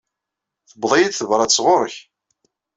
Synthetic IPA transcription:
θəbðˤijid̪θəvɾˤɑt͡sːʁʊɾˤəç

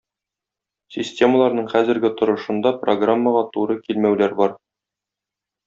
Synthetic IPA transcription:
sʲisʲtʲe̞məlˠɑɾnɤɴχæzɘ̆ɾɡɘt̪ŏɾɤ̆ʃɤ̆nd̪ɑproɡramːəʁɑt̪uɾɤkilmæwlæɾbɒɾ

